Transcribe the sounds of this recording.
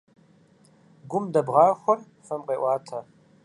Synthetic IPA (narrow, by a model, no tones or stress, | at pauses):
ɡʷʊmdɐbʁɑːxʷɔr | fɐmqeːʔʷɑːtʰɐ